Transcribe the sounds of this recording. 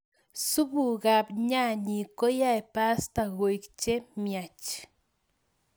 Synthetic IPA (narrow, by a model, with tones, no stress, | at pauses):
su˦bu˨ɣa˨pɲa˦ɲi˨ko˦ja˦jpa˦st̪aɣo˨jkt͡ʃe˦mjat͡ʃ